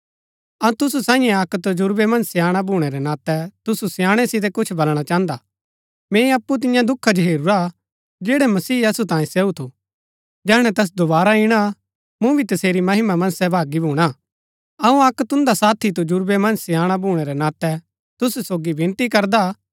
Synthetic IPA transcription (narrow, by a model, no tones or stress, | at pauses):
ɐ̃t̪ʊsusãːɪ̃jɛ̃ɐkt̪od͡ʒʊɾbemɐ̃nsjãːɽ̃abʱuːɽ̃ɛɾɛnaːt̪ɛt̪ʊsusɪjãːɽ̃ɛsɪt̪̬ɛkʊt͡ʃʰbɐlɽ̃at͡ʃãːə̃nd̪a | mɛ̃ːĩɐpːut̪̬ɪ̃jãd̪ʊkʰːad͡ʒoɦeːɾuɾa | d͡ʒeːɽɛmɐsiːɐsut̪ãːjĩsɛːut̪ʰu | d͡ʒɛːɽ̃ɛ̃t̪ɛs̬d̪obaːɾaɪɽ̃a | mũbʱit̪ɐseːɾimɐɦɪmamɐ̃nsɛbʱaːɡibʱuːɽ̃a | ɐũɐkːt̪ʊ̃nd̪asaːt̪ʰit̪̬od͡ʒʊɾbemɐ̃nsɪjaːɽ̃abʱuːɽ̃ɛɾɛnaːt̪ɛ | t̪ʊssoːɡibɪ̃nt̪ikɐɾd̪a